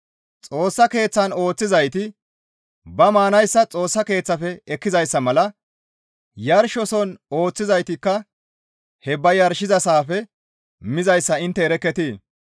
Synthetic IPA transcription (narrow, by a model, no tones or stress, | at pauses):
t͡sʼoːsːɐke̞ːt͡sːɐno̞ːt͡sːɪzɐjt̪ɪ | bɐmaːnɐjsːɐt͡sʼo̞ːsːɐke̞ːt͡sːɐfɛɛkːɪzɐjsːɐmɐlɐ | jɐɾʃɔsɔno̞ːt͡sːɪzɐjt̪ɪkːɐ | hɛbɐjɐɾʃɪzɐsaːfɛ | mɪzɐjsːɐɪnt̪ːɛɛɾɛkːɛt̪iː